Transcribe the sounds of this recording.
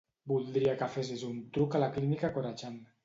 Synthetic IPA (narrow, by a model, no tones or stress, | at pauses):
bulˠd̪ɾiakafes̬izunt̪ɾukalaklinikakoɾat͡ʃan